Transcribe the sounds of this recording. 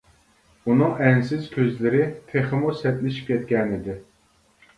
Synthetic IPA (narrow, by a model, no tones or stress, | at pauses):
unɨŋɛnsɪzkʲʰøzlɪɾɪt̪ʰeχɨmusɛt̪lɪʃi̥p̚kʲɛt̪̚kʲɛnɪd̪ɪ